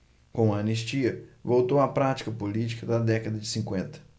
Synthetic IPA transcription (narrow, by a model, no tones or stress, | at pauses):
kõɐɐniʃt͡ʃiɐvowt̪owɐpɾat͡ʃi̥kɐpolit͡ʃi̥kɐd̪ɐd̪ɛkɐd̪ɐd͡ʒɪsĩŋkwẽnt̪ɐ̥